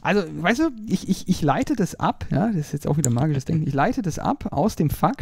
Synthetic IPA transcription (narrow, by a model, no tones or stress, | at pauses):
ʔalzovaɪstuːʔɪçɪçɪçlaɪtədasʔa̰pja̰ːdɐsɪsjɛt͡saʊxviːdɐmaːɡɪʃəsd̥ɛŋkn̩ɪ̰çlaɪtədasʔa̰pʰa̰ʊsd̥eːmfak